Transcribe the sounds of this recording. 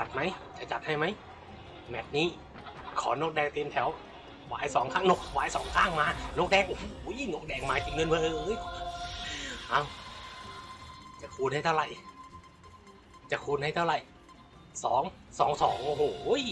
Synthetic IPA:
t͡ɕa˨˩t̪̚ma˦˥jt͡ɕa˨˧˩t͡ɕa˨t̪̚ha˥˩jma˦˥˩j | mɛː˨˩p̚niː˦˥˩ | kʰɔː˩˦noː˧˥k̚dɛː˧˩k̚t̪i˧mt̪ʰɛ˩˦w | wa̰ː˨˦jsɔː˨˦ŋkʰaː˥˩ŋno˧˥˩k̚wa̰ː˨˦jsɔː˩˦ŋkʰaː˥˩ŋmaː˧noː˦˥k̚dɛː˧˩ŋʔo˧hoː˨˩˦jno˦˥k̚dɛː˧˩k̚maː˨˧˥t͡ɕi˧˩ŋnɯ˧˥˨npaː˧ʔɤː˧ʔːj | ʔa˧˩w | t͡ɕa˨˧˩kʰuː˧nha˥˩t̪ʰɾa˧˩j | t͡ɕa˨˩kʰuː˧nha˥˩t̪ʰːwɾa˧˩j | sɔ̰ː˩˦ŋ | sɔː˩˦ŋsɔ̰ː˨˦ŋʔo˧˩ɦoː˨˩j

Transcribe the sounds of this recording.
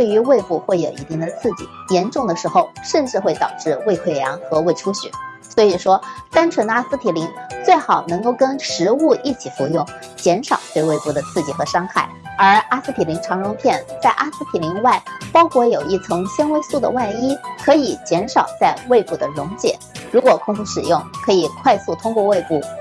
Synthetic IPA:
t̪we˥˩ɪy˧˥we˥˧ɪpu˥˧xwe˥˩ɪjo˨˩ʊḭ˧˥t̪i˥˩ŋd̪ə˨˩t͡sʰɹ̩˥˩t͡ɕḭ˨˩jɛ˧˥nʈ͡ʂʊ˥˩ŋd̪ə˩ʂɻ̩˧˥xo˧ʊʂə˥˧nʈ͡ʂɻ̩˥˧xwe˥˩ɪt̪ɑ˨˩ʊʈ͡ʂɻ̩˥˧we˥˧ɪkʰwe˥˩ɪjɑ˧˥ŋxɤ˧˥we˥˩ɪʈ͡ʂʰu˥ɕy̰˨˩˦ | swɔ˧˥i˨˩ʂwɔ˥t̪a˥nʈ͡ʂʰwə˧˥na˥sɹ̩˥t̪ʰi˨˩li˧˥ŋt͡swe˥˩ɪxɑ˨˩ʊnɤ˧˥ŋko˥˩ʊkə˥nʂɻ̩˧˥u˥˧ʔi˥˩t͡ɕʰi˨˩fu˧˥jʊ˥˩ŋ | t͡ɕjɛ˧˥nʂɑ˨˩ʊt̪we˥˧ɪwe˥˧ɪpu˥˩d̪ə˩t͡sʰɹ̩˥˩t͡ɕi˨˩xɤ˧˥ʂɑ˥ŋxa˥˩ɪə˞˧˥a˥sɹ̩˥p̪ʰi˨˩li˧˥ŋʈ͡ʂʰɑ˧˥ŋɻʊ˧˥ŋp̪ʰjɛ˥˩nt͡sa˥˩ɪʔa˥sɹ̩˥t̪ʰi˨˩li˧˥ŋwa˥˩ɪpɑ˥ʊkʰwɔ˥˩jo˨˩ʊi˥˩t͡sʰɤ˧˥ŋɕjɛ˥nwe˥ɪsu˥˩d̪ə̰˩wa˥˩ɪi˥kʰɤ˧˥i˨˩t͡ɕjɛ˧˥nʂɑ˨˩ʊt͡sa˥˧ɪwe˥˧ɪpu˥˩d̪ə˩ɻʊ˧˥ŋt͡ɕjɛ̰˨˩˦ɻu˧˥kwɔ˨˩kʰʊ˥˧ŋfu˥˩ʂɻ̩˨˩jʊ˥˩ŋkʰɤ˧˥i˨˩kʰwa˥˧ɪsu˥˩t̪ʰʊ˥ŋkwɔ˥˧we˥˧ɪpu˥˩

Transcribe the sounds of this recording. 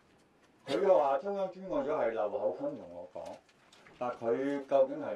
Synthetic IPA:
kʰɵ˨˧ɥkɐː˧waː˨˩t̪ʰʊ˥ŋjɔː˥ŋt͡ʃy˥nkɔː˧t͡sɔː˨˥hɐ˨jlɐ˨˩who˨˥wfʰɐ˥nm˨t̪ʰʊ˨˩ŋɔ̰ː˨˧kɔ̰ː˨˥ŋ | t̪aː˨˩nkʰɵ˨˧ɥkɐ˧wkɪ˨˥ŋɦɐ˨

